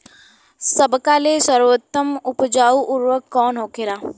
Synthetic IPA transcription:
səbkaːlesəɾʋət̪ːəmʊpd͡ʒaːuʔʊɾʋəkːɔːnɦoːkeɾaː

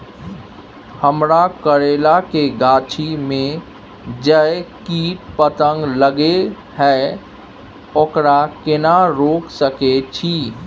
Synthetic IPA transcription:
həmɾakəɾeːlakeɡaːt͡ʃʰimẽ | d͡ʒəkiːʈ̚pət̪ə̃ŋɡləɡe | ɦɛ | okɾakɪnaɾoːksəket͡ʃʰiː

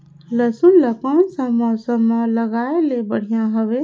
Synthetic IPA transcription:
ləsunləkɔːnsə̃mɔsəmːãləɡaːelebəɽ̤ijãɦəʋe

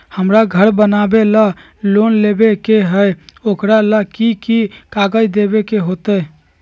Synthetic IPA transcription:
həmɾaɡʱəɾbənabela | lonlebekeɦəjokɾalakikikaɡəd̪ebekeɦot̪ə

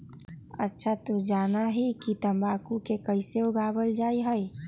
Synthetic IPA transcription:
ətːʃʰat̪od͡ʒaːnaɦikit̪ə̃mbaːkukekəɪseʊɡʱaːbəld͡ʒaːiɦəi

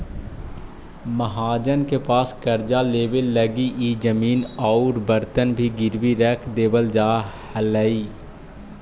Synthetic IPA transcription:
məɦaːd͡ʒənkepaːskəɾd͡ʒaleːwelːəɡiʔiːd͡ʒəmiːnɔʊɾbəɾt̪ənbʱiɡɪɾbiɾɛːkʰd̪eːbəld͡ʒaːhələiː

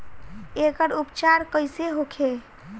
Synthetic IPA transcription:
ekəɾupt͡ʃaɾkəjseɦokʰe

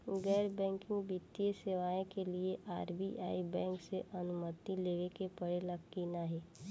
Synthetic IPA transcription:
ɡɛːɾbɛ̃ːŋkɪ̃ŋbit̪ːijeseːʋaːẽkelieʔaːɾbiʔa̰ːibɛ̃ːŋkseʔɐnʊmət̪ileːʋekepɐɽelɐɡkinaɦɛː

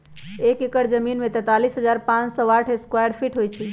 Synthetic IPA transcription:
ekekəɾd͡ʒəminmet̪ɛt̪alisɦəd͡ʒaɾpãt͡ʃsɔ̃ʋaʈʰeskwajəɾpʰiʈɦojt͡ʃʰi

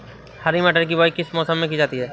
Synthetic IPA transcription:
haɾimaʈəɾk̬ibʱɔjkɪsmɔːsəmːẽk̬id͡ʒaːt̪iɦɛː

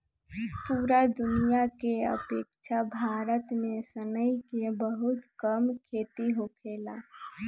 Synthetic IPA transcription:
puːɾad̪ʊnijakeə̰peːkt͡ʃʰabʱaːɾət̪mẽsənəjikebəɦʊt̪kəmkʰeːt̪iɦokʰeːlaː

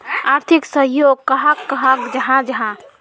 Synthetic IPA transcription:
aɾt̪ʰiksəɦjoɡ̚kəɦakːəɦakd͡ʒəɦãd͡ʒəɦã

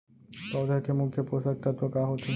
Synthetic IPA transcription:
t̪ɔd̪ʱakemukʰjopɾosak̚t̪at̪akaɦot̪ːʰe

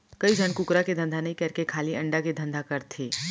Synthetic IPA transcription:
kɐid͡ʒʱəɳkʊkɾaked̪ʱɐ̃nd̪ʱanɐɦĩkɐɾkekʰaːliɐ̃ɳɖaked̪ʱɐ̃nd̪ʱakɐɾt̪ʰeː

